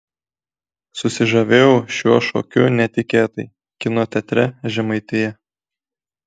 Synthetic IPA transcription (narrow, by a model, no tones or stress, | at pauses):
sʊsʲɪʒɐʋʲeːjɛʊʃʲuɔʃo̰ːkʲʊnʲɛt̪ʲɪkʲeːt̪ɐɪ | kʲɪnoːt̪ʲɛt̪ʲɾʲɛʒʲɛmɐɪt̪ʲɪjɛ